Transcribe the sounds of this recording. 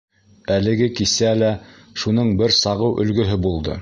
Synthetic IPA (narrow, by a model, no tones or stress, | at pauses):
ælɘ̆ɡɘkisælæ | ʃunɤɴbɘɾsɑʁɤwʔɵ̆lɡɵ̆ɦɘbulˠd̪ɤ̰